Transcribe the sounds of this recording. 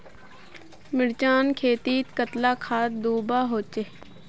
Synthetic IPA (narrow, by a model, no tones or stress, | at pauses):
mɪɽt͡ʃaːnkʰeːt̪iːt̪kət̪laːkʰaːt̪̚d̪uːbaːɦoːt͡ʃeː